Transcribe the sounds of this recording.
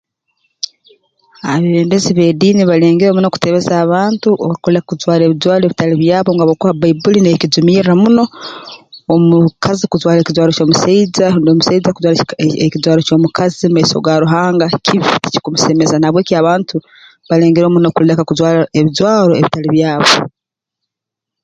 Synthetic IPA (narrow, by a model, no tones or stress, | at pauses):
aβeβeːmbeziβe̞diːniβale̞ːŋɡeɾo̞ːmuno̞ku̥te̞βe̞zaːβaːntuʔoβkolekakuzwaːɾe̞βizwaːɾoe̞βitaliβjaːβo̞ŋɡaβokoβabaibulinekizumiːɾɾamuno̞ː | mukʰazikuzwaːɾecizwaːɾoco̞ːmusaizandomusaizakuzwaːɾaekizwaːɾoco̞ːmukʰazimaiso̞̰ɡaɾuɦaːŋɡacʰiβiici̥kumuse̞me̞zanaβwe̞ːkiaβaːntu | βale̞ːŋɡeɾo̞ːmunokulekakuzwaːɾaeβizwaːɾo̞eβitaliβjaːβo̞